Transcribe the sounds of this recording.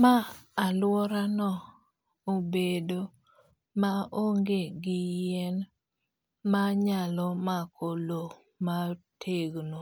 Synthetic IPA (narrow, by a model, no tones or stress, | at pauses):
maalwɔɾanɔ | obedo | maoŋɡeɡɪjɛn | maɲalɔmakʰolo | matʰeɡno